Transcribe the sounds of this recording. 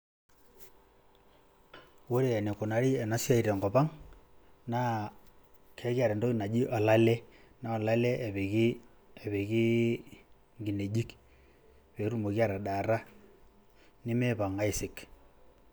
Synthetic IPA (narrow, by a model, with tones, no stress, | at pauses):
wo˦ɾe˦˨ɛ˨ne˨kʊ˨na˨ɾi˦ɛ˨na˦sja˦i˨ɾɛ˨ŋɡɔ˨pa˦ŋ | na˦ | kʰɛ˨˦ka˨ɾɛ˨ndo˦i˨na˨d͡ʒi˦ʔa˨la˦lɛ˦na˦ɔ˨la˦lɛ˦˨ɣ | ɛ˨βe˨ki˦ | ŋɡi˨ne˨d͡ʒi˦k | pe˨˦ɾu˦˨mo˨kja˦˨ɾa˨ɗa˨ɾa˦ | nɪ˦mɛ˦pa˨ŋa˦ɪ˦sɪ˨k